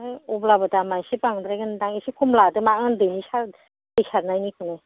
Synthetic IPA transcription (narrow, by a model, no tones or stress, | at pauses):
ajɔblabɯtamajsipaŋdɾajɡɯndaŋesikʰɔmladɯmaɯndɯnisaɾ | d̥ɯjsaɾnajnikʰɯne